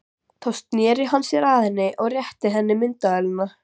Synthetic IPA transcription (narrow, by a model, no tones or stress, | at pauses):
θawst̪njɛːɾɪɦanːsjɛɾaðɛnːɪʔɔɣrjɛht̪ɪɦɛnːɪmɪnt̪aɛlna